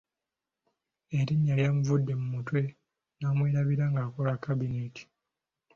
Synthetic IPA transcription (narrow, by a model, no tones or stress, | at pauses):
e̞ɾiɲːaljamuvudːe̞mumutwe̞ | naːmweːɾaβiɾaŋɡaːko̞lakːabineti̥